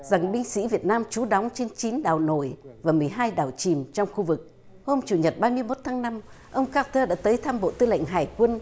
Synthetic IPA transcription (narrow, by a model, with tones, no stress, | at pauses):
za˨˩ŋɓï˧ŋ̟sḭ˧˥vi˨˩ət̚naː˧mt͡ɕu˨˦ɗɔ˨˦wŋ͡mt͡ɕe˧nt͡ɕi˨˦nɗa̰ː˨˩wno̰˧˩jvaː˨˩mɨ˨˩əjɦaː˧jɗaː˨˩wt͡ɕi˨˩mt͡ɕɔ˧wŋ͡mxu˧vɨ˨˩k̚ | ho˧mt͡ɕu˨˩ɲə˨˩t̚ɓaː˧mɨ˧əjmo˦˥t̚t̪ʰaː˨˦ŋna˧m | ʔə˧wŋ͡mkaː˧˥t̪əː˧ɗa̰ː˧˥t̪əː˨˦jt̪ʰaː˧mɓo̰˧˨t̪ɨ˧la̰˧˨jŋ̟ɦaː˨˩jkwə˧n